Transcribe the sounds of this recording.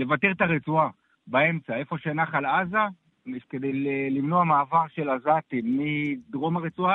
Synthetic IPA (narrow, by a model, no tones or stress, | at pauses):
le̞vat̪eʁt̪aʁet͡sua | bae̞mt͡sae̞fo̞ʃenaχalaza | ked̪ejlelimno̞amaːvaʁʃe̞lazat̪imːid̪ʁo̞maʁet͡sua